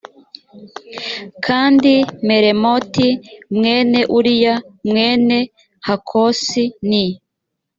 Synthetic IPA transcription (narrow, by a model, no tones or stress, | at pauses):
kʰaːndime̞ɾemotimŋe̞ːne̞ʔuɾijamŋe̞ːne̞ | hakʰosini